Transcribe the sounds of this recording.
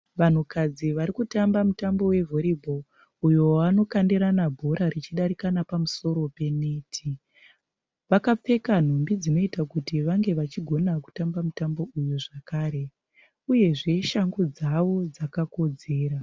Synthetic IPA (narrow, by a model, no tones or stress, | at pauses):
ʋan̤ukad͡ziʋaɾikutambamutambo̞we̞vo̞ɾibʱo̞ | ujo̞ano̞kandiɾanabʱo̞ɾaɾit͡ʃiɗaɾikanapamuso̞ɾo̞pe̞netʰi | ʋakap͡fe̞kan̤ombid͡zino̞itakutiʋaŋɡe̞ʋat͡ʃiɡʱo̞naku̥tambamutambo̞ujuʐakaːɾe̞ | uje̞ʐe̞ʃaŋɡod͡zaʋo̞d͡zakako̞d͡ze̞ːɾa